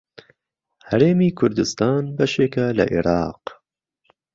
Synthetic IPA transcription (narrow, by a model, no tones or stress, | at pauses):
hæɾeːmiːkʰʊɾd̪ɨst̪ɑːnbɐʃeːkalɐ̰ʔḭɾɑːq